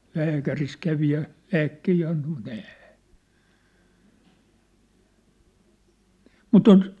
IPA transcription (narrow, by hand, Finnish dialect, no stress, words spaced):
læːkæris kæʋi jɑ læːkːehiː ɑnto mut ɛː mut oŋk